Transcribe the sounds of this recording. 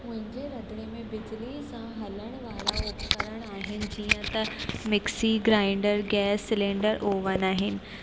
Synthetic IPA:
mʊ̃ɦɪ̃ɲd͡ʑeɾɐd̪ɽemẽbɪd͡ʑlisãɦɐləɽ̃ʋaːlaʊt̪ʰkəɾəɽ̃aːɦɪnɪ̆d͡ʑiːə̃t̪ɐmɪksiɡɾãːɪɳɖəɾɡɛːsːɪlẽːɳɖəɾʔoːʋənaːɦɪnɪ̆

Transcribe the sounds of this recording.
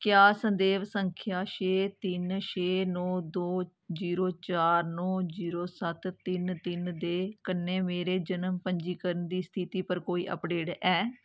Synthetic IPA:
kɪjaːsənd̪eːʋsəŋkʰjaːʃeːt̪ɪnʃeːnɔːd̪oː | d͡ʒiːɾoːt͡ʃaːɾnɔːziːɾoːsət̪ːɪnt̪ɪnd̪eːkənːẽːmeːɾeːd͡ʒənəmpəɲd͡ʒiːkəɾənd̪iːst̪ʰit̪iːpəɾkoːiːʔə̰pɖeːʈɛː

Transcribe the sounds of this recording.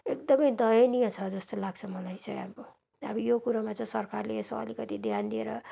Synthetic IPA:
ekd̪ʌmʌjd̪ʌjenijʌ̃t͡sʰʌd͡zʌst̪olaɡ̚t͡sʰʌmʌlajt͡sʰʌa̰mko | ʌ̰bʌjokuɾamat͡sʌ̃sʌrkarleeso̰ʌ̰likʌt̪id̪ʱjand̪ieɾʌ

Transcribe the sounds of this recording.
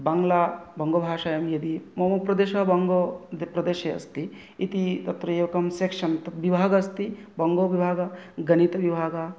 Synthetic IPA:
baŋɡlaːbɐŋɡoːbʱaːʃaːjɐmjɐd̪imɐmɐpɾɐd̪eːʃɐbɐŋɡopɾɐd̪eːʃeɐ̰st̪i | it̪it̪ɐt̪ɾɐeːʋɐkɐmseːkʂɐnt̪ɐt̪ʋibʱaːɡɐɐst̪ibɐŋɡoːʋibʱaːɡɐɡɐnit̪ɐʋibʱaːɡa

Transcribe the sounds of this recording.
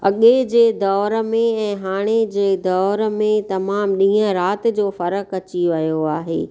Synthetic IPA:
ɐ̰ɠed͡ʑeːd̪ɔːɾmẽɛ̃ːɦaːɽ̃ed͡ʑeːd̪ɔːɾəmẽt̪ɐmaːmɗĩːə̃ɾaːt̪̆d͡ʑoːfɐɾəkɐt͡ɕiʋɐjoaːɦḛː

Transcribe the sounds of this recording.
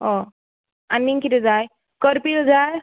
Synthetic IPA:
ɦɔ | anːiŋkit̪ɛd͡zaj | kəɾpild͡zaj

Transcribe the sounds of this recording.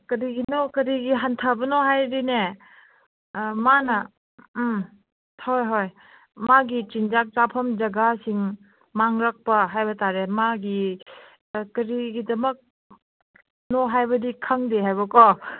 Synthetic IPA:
kɐɾiɡinɔkɐɾiɡiɦantʰabɐnɔɦajɾine | manɐ | hojɦoj | maɡit͡ʃind͡ʒak̚zapʰɐmd͡ʒɐɡasiŋ | maŋɾak̚pɐɦajbɐtaɾemaɡi | kɐɾiɡidɐmɐk̚ | nɔɦajbɐdikʰaŋdeɦajbɐkɔ

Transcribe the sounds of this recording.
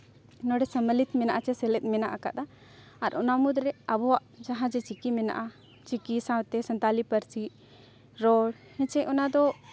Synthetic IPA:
nɔɖɛsəməlit̪mɛna̰ʔat͡ʃɛsɛlɛt̪̚ˀmɛnaʔaka̰ʔd̪a | aɾʔɔnamud̪ɾɛabɔwaʔd͡ʒaɦãd͡ʒɛt͡ʃikimɛna̰ʔa | t͡ʃikisãwt̪ɛsənt̪alipəɾsi | ɾɔɽ | hɛ̃t͡ʃɛʔɔnad̪ɔ

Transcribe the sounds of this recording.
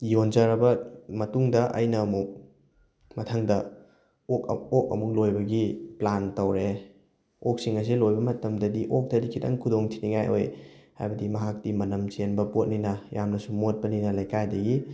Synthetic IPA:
jonzɐɾɐbɐmɐtuŋdɐʔɐ̰jnɐːmuk̚ | mɐtʰɐŋdɐ | okok̚ɐ̰muk̚lojbɐɡiplantɐwɾe | ok̚siŋɐs̬ilojbɐmɐtɐmdɐdiʔok̚tɐdikʰitɐ̰ŋkʰudoŋtʰiniŋajʔo̰jha̰jbɐdimɐɦak̚timɐnɐmt͡ʃenbɐpot̚ninɐjamnɐsumot̚pɐninɐlɐjkajdɐɡi

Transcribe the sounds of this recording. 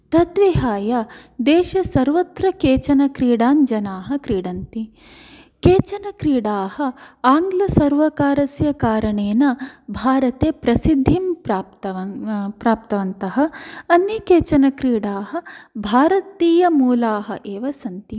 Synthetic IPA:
t̪ɐt̪ʋiɦaːjɐd̪eːʃɐsɐɾʋɐt̪ɾɐkeːt͡ʃɐnɐkɾiːɽaːnd͡ʒɐnaːɦɐ̆kɾiːɽɐnt̪i | keːt͡ʃɐnɐkɾiːɽaːhɐaːŋɡlɐsɐɾʋɐkaːɾɐsjɐkaːɾɐɳeːnɐbʱaːɾɐt̪eːpɾɐsid̪ʱːimpɾaːpt̪ɐɐpɾaːp̚t̪ɐʋɐnt̪ɐɦɐ̆ɐnːikeːt͡ʃɐnɐkɾiːɽaːɦɐ̆bʱaːɾɐt̪iːjɐmuːlaːɦɐ̰ʔeːʋɐsɐnt̪i

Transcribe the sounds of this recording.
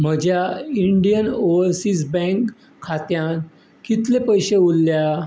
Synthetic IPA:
m̤əd͡ʑjaiɳɖijənoəɾsisbɛ̃ŋkʰː | at̪jãn | kit̪lepəjɕeulːja

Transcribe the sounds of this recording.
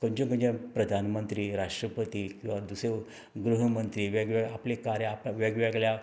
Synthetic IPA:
kəɲt͡ɕõŋkə̃ɲd͡ʑãpɾəd̪ʱanmənt̪ɾiːɾaʂʈɾəpət̪iːkĩw̃ʋad̪use | ɡɾuɦəmənt̪ɾiːʋaɡʋaaplekaɾjaːpʋaɡʋɛɡlja

